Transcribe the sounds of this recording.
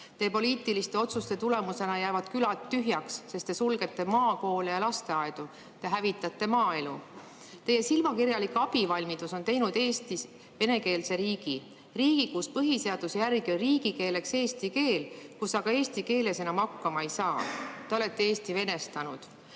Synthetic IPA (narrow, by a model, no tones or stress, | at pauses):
t̪e̞ːpo̞liːt̪ˑilist̪e̞o̞t̪sust̪e̞t̪ule̞muse̞nɑjæːvɑd̪̥kylɑt̪ːyɦjɑksːe̞st̪esulɡ̥e̞t̪ːe̞mɑːko̞ːlejɑlɑst̪e̞ɑed̪̥u | t̪e̞ɦævit̪ːˑɑt̪ˑːe̞mɑːe̞lu | t̪e̞je̞silmɑkirjɑlikɑb̥ivɑlʲmit̪uso̞nt̪e̞jnud̪̥e̞ːst̪is | ve̞ne̞ke̞ːlse̞ɾiːɡ̥i | riːɡ̥ikuspɤɦise̞ɑd̪̥usjærɡionriːɡike̞ːle̞kse̞ːst̪ike̞ːlkusɑɡ̥ɑe̞ːst̪ike̞ːle̞se̞nɑmɑkːɑmɑejsɑːt̪e̞o̞le̞t̪ːe̞eːst̪ive̞ne̞st̪ɑnud̪̥